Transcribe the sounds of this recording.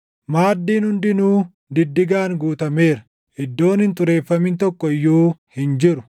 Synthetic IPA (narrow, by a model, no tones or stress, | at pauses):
maːd̪ːiːnhʊnd̪ɪnuː | d̪ɪd̪ːɪɡaːŋɡuːt̪ɐme̞ːɾɐ | ʔɪd̪ːo̞ːnhɪnt̪ʊɾe̞ːfːɐmɪnt̪ɔkːɔɪjːuːhɪnd͡ʒɪɾʊ̥